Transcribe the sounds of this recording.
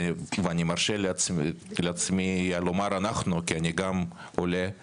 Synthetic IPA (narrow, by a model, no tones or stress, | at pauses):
veanʲimarʃel | leat͡smialomaɾanaχnukianʲiɡam | ole